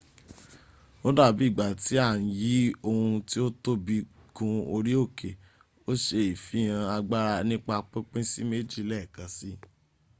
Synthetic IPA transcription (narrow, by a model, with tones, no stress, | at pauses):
o˦da˦˨bi˨˦i˦˨ɡ͡ba˨ti˨˦a˦˨ñ̩˨ji˨˦o˧hũ˧ti˦o˦to˦bi˧ | ɡũ˧o˧ɾi˦o˦˨ke˨ | o˦ʃe˧i˨fi˨˦j̃ã˧a˧ɡ͡ba˦ɾa˧nĩ˦k͡pa˧k͡pẽ˦k͡pẽ˦si˦me˦d͡ʒi˦˨lɛ˦˨kã˨˦si˦